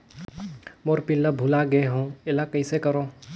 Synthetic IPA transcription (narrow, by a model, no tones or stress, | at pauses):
moːɾpɪllabʱulaɡəeɦõːelakəisekəɾoː